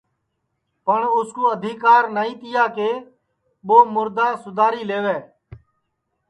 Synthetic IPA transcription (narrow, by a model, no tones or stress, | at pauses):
pəɳʊskoːəd̪ʱiːkaːɾnaːĩːt̪ɪjaːkeː | ɓoːmʊɾd̪aːsʊd̪ʱaːɾiːleːʋeː